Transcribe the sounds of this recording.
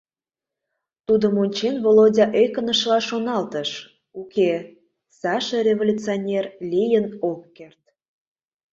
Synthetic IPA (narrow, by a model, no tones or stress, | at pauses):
t̪ud̪əmonʲt͡ɕenvolodʲɑʔekənəʃlɑʃonɑlt̪əʃ | uke | sɑʃərʲevolʲut͡sionʲerlʲijənokːert̪̚